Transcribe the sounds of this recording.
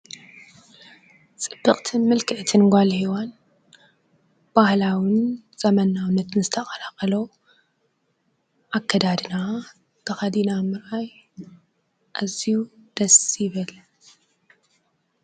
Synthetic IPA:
t͡sʼɨb̥ːɨχʼt̪ʰɨnmɨlkʰɨʕt̪ʰɨnɡʷalhiwan | b̥ahlawɨn | z̥ɐmɐnawnːɐt̪nzɨt̪ʰɐχʼɐɾakʼɐlo | ʔakʰːɐd̪ad̪ɨna | t̪ʰɐxɐd̪inamɨɾaj | ʔaziud̪̥ɐsjɪβɨl

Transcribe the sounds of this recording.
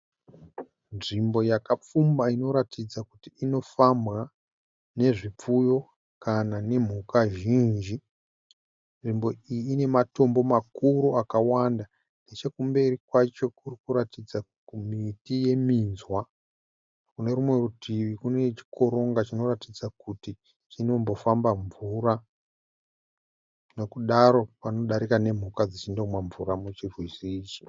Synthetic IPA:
nʐimbo̞jakap͡fumbaino̞ɾatid͡zakutiːno̞famɣa | ne̞ʐip͡fujo̞ | kanane̞m̤ukaʒiːnd͡ʒi | nʐimbo̞iːne̞mato̞mbo̞makuɾuakawanda | ne̞t͡ʃe̞kumbe̞irikwat͡ʃo̞kurikuɾatid͡za | komitije̞minzwa | kune̞ɾumwe̞rutʰiʋikune̞t͡ʃi̥kʰo̞ɾo̞ŋɡat͡ʃino̞ratid͡zakuti | t͡ʃino̞mbo̞fambaɱvuɾa | no̞kuɗaɾo̞pano̞ɗaɾikane̞m̤ukad͡zit͡ʃindo̞mwaɱvuɾamut͡ʃirwisiːt͡ʃi̥

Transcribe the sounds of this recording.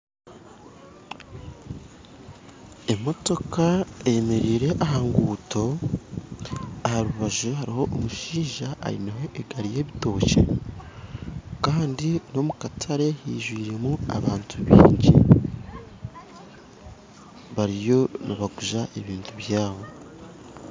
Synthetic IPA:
e̞mo̞to̞kaejeme̞ɾiːɾe̞ʔaɦaːŋɡuːto̞ | ahaɾuβaʒuhaɾiho̞ʔːmuʃiːʒaʔa̰ḭnaɦo̞ʔe̞ɡaɾije̞ːβito̞ːcḛ | kaːndino̞mukatʰaɾe̞hḭːʒwiːɾe̞mua̰βaːntʰuβḭːɲɟi | βaɾijo̞naβaɡuʒaʔe̞βiːntʰuβjaːβo̞

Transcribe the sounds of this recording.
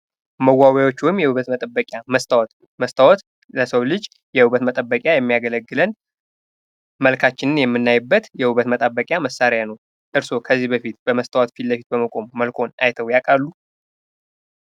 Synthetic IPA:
məwːawjawo̞t͡ʃːuwɪmːjɛhuβət̪mət̪ʼəbəkʼjaməs | məst̪ʰəwɔt̪ | ləsəwlɨd͡ʒ | jɛhuβət̪mət̪ʼəbːəkʼjajɛmːijaɡələɡːɨlən | məlkʰat͡ʃːɪnɨnjɛmːɨnːajɪbːət̪jɛhuβət̪mət̪ʼabːəkʼjaməsaɾjanəw | ʔɨɾso̞kʰəzːihbəfit̪b̥əməst̪ʰəwɔt̪filləfit̪̚bəməkʼo̞mːəlkʰo̞na̰jt̪ʰəwjakʼalːu

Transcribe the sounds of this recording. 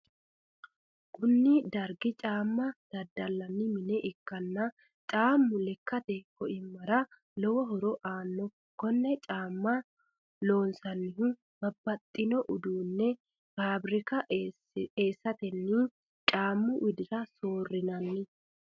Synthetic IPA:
kʰʊnːɪd̪ɐɾɡɪt͡ʃʼaːmːɐd̪̥ɐd̪ːɐlːɐnːɪmɪnɛʔɪkːɐnːɐ | t͡ʃʼaːmːʊlɛkːɐt̪ɛkɔʔɪmːɐɾɐ | lɔwɔɦɔɾɔʔaːnːɔ | kɔnːɛt͡ʃʼaːmːɐ | lo̞ːnsɐnːɪhʊ | bɐbːɐt̪ʼːɪnɔʔʊd̪uːnːɛ | faːbɾɪkɐ | eːsːɐt̪ɛnːɪ | t͡ʃʼaːmːʊwʔɪd̪ɪɾɐsoːrːɪnɐnːɪ

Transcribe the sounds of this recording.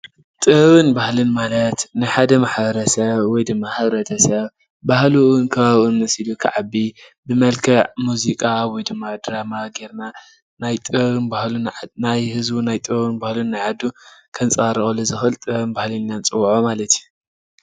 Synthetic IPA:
t̪ʼɨβɨnbahlɨnmalɐt̪nɨħad̪ɐmaħbɐɾɐsɐβwɔjd̪ɨmːahɨβɾɐt̪ʰɐsɐβ | bahlunkʰɐβaβunmɐsilukʰɨʕabːi | bɨmɐlkʰɐʕmuzikʼawɔjd̪ɨmːad̪ɾamaɡeɾna | najt̪ʼɨɨnbahlunnajhɨzbunajt̪ʼɨβɨnbahlunːajʕad̪ːukʰɐnt͡sʼaɾɨxʼolɨzɨxɨlt̪ʼɨɨnbahlɨnːant͡sʼɨwʕomalɐt̪ʰju

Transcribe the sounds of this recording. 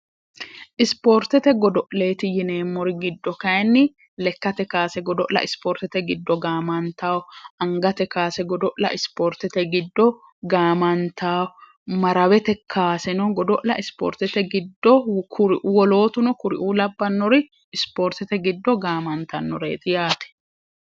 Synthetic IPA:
ʔɪspoːɾt̪ɛt̪ɛɡɔd̪ɔʔle̞ːt̪ɪjɪneːmːɔɾɪɡɪd̪ːɔkɐjnːɪ | lɛkːɐt̪ɛkaːsɛɡɔd̪ɔʔlɐ̰ʔɪspoːɾt̪ɛt̪ɛɡɪd̪ːɔɡaːmɐnt̪aːɔɐŋɡɐt̪ɛkaːsɛɡɔd̪ɔʔlɐ̰ʔɪspoɾt̪ɛt̪ɛɡɪd̪ːɔ | ɡaːmɐnt̪ʰaːwɔ | mɐɾɐwɛt̪ɛkʰaːsɛnɔɡɔd̪ɔʔlɐ̰ʔɪspɔ̰ːɾt̪ɛt̪ɛɡɪd̪ːɔkʰʊɾɪʔuːwɔlo̞ːt̪ʊnɔkʊɾɪ̰ʔuːlɐbːɐnːɔɾɪ | ɪspoːɾt̪ɛt̪ɛɡɪd̪ːɔɡaːmɐnt̪ɐnːɔɾḛːt̪ʼɪjaːt̪ɛ̥

